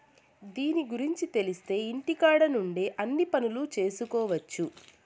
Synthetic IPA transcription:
d̪iːniɡuɾiɲt͡ʃit̪e̞list̪e̞ːiɳʈikaːɽɐnuɳɖeːʔɐnːipɐnulut͡ʃe̞ːsukɔːʋɐt͡ʃːu

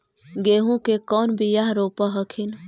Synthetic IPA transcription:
ɡeɦũkekɔːnbijaɦɾopəɦəkʰin

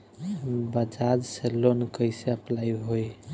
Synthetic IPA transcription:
bəd͡ʒad͡ʒselonkəɪseəplaiɦoj

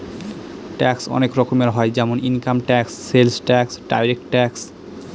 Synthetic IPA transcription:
ʈɛksɔ̰nekɾɔkomeɾɦɔed͡ʑɛmoninkamʈɛksːelsʈɛksɖa̰jɾek̚ʈʈɛks

